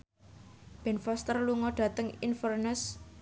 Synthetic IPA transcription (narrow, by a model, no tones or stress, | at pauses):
b̥ɛ̤nfɔst̪ərluŋɔɖ̥ä̤t̪əŋinfərnəs